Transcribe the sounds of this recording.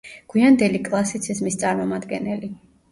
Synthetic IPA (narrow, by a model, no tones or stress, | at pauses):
ɡ̥wiand̪ɛlikʼlˠasit̪sʰizmist̪sʼaɾmɔmad̪ɡɛnɛli